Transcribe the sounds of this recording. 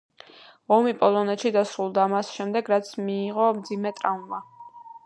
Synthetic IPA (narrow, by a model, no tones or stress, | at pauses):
ɔmipʼɔlˠɔnɛt̪ʃid̪asɾulˠd̪aːmasʃɛmd̪ɛɡɾat̪sʰmiːʁɔmd̪zimɛt̪ʼɾaunva